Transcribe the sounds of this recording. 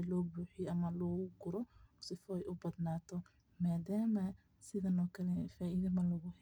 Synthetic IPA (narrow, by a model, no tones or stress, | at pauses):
lɔːbuːħijɔʔɐmɐlɔːɣʊɡʊɾɔsɪfɔɛjʔʊbɐd̪naːt̪ʰɔ | maːdaːmɐ | sɪðɐnɔːkʰɐlɛfaːʔiðɐmɐlɔɣʊh